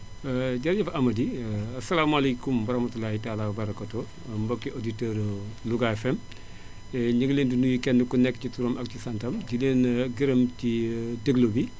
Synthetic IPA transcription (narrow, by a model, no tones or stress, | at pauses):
ɐɟɐɾɟɐfʔɐmɐdiɐsɐlaːmɐlejkumbɐɾɐhmɐtulaːhitaːlaːwɐbɐɾɐkato | mbɐkːiʔoditɛːɾluɡaɛfɛm | ɛɲəɡleːndinujikɛndukunɛkːcituɾɔmɐk̚cisɐntɐmɟileːnɡiɾɐmcideɡlobi